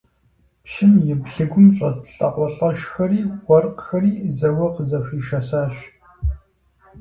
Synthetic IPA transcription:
pʃɪmjɪbɬɨɡʷʊmɕʼɐtɬʼɐqʷɐɬʼɐʃxɐriːxʷɔrqxɐriːzɐwɐqəzɐɕiːʃɐsaːɕ

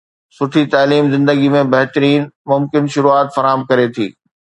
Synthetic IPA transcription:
sʊʈʰit̪aːliːmzɪ̃nd̪əɡimẽbɐɦt̪əɾiːnmʊmkɪnʃʊɾuaːt̪fɐɾaːɦəmkɐɾet̪ʰḭː

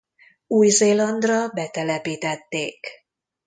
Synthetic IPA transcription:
uːjzeːlɒnd̪rɒbɛt̪ɛlɛpiːt̪ɛt̪ːeːk

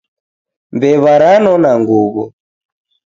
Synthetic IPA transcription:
mbɛβaɾanɔnaŋɡuβɔ̰

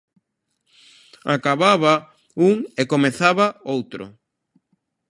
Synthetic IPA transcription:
a̰kaβaβa | uŋekomeθaβaowt̪ɾʊ̰

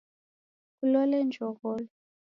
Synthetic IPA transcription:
kulɔlɛnd͡ʒʱɔɣɔːlɔ

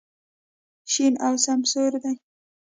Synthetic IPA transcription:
ʃinawsamsoɾd̪a

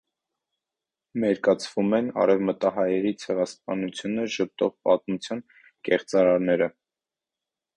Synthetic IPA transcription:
mɛɾkɑt͡sʰvumɛnɑ̰ɾɛvmət̪ɑɦɑjɛɾit͡sʰɛʁɑspɑnut͡sʰjunəʃəp̚t̪ɔʁpɑt̪mut͡sʰjɑn | kɛχt͡sɑɾɑɾnɛɾə

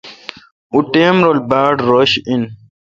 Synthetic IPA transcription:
uʈeːmɾolbaːɖɾoɕin

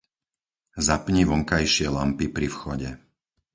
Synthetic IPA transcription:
zapɲiʋɔŋkajʃɪɛlampipɾifxɔɟɛ

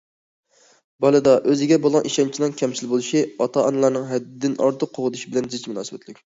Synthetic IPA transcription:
bɑlˠɨd̪ɑʔøzɪɡʲɛbolˠʁɑnʔiʃɛnt͡ʃʰinɨŋkʲʰɛmsɪlbolˠɨʃiɑt̪ʰɑɑnɨlˠɑɾnɨŋɦɛd̪d̪ɪnɑ̰ɾt̪ʰʊqʰːoʁəd̪uʃibɪlɛnd̪ɨzɪt͡ʃmunɑ̰ːsɨbɛt̪ʰlɪkʲ

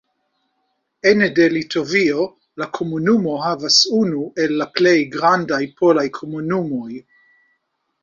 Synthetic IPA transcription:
enedelitʰovio | lakʰomunumo̞ɦavasunuʔelːaplejɡɾandajpʰolajkʰomunumo̞j

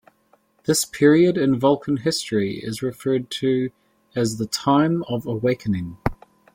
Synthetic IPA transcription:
ðɪspʰɪəɹiəɾɪ̃nvɒlˠkʰə̃nɦɪstɹ̥iɪ̰zɹɪfɜːd̚tʰəː | zðətʰɑ̃ɪ̃məvəweɪkʰənɪ̃ŋ

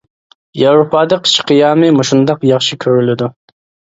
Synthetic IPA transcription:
jawɾopɑːd̪ɑqʰt͡ʃqijɑmɨmuʃund̪ɑqjɑχʃikʲʰøɾylɪd̪u

